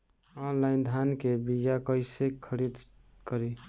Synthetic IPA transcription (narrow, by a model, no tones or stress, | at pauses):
ɔnlajnd̪ʱankebijakəɪsekʰəɾid̪ | kəɾi